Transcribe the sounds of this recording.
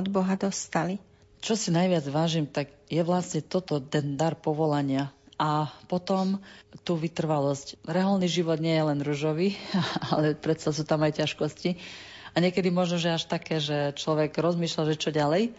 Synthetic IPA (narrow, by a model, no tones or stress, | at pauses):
ɔd̪bɔɦad̪ɔst̪ali | t͡ʃɔsinajʋɪad͡zʋaːʒimt̪aɡjɛʋlasɲɛt̪ɔt̪ɔt̪ɛnd̪aɾpɔʋɔlaɲɪaʔapɔt̪ɔmt̪uːʋit̪r̩ʋalɔscɾɛalniʒiʋɔd̪ɲɪɛjɛlɛnɾuʒɔʋialɛpɾɛt̪sas̬uːt̪amajcaʃkɔsci | aɲɪɛkɛd̪imɔʒnɔʒɛaʃt̪akɛːʒɛt͡ʃlɔʋɛɡɾɔzmiːʃlaʒɛt͡ʃɔɟalɛj